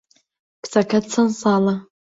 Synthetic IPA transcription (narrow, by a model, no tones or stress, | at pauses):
kʰt͡sʰakʰadt͡sʰansala